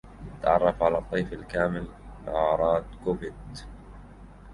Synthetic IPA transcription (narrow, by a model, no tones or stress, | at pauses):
jat̪ːaʕɑ̰rˤːɑfʕalaːt̪ˤːijfalkaːmɪlɪʕɑːɾˤɑːd̪kʊfɪd̪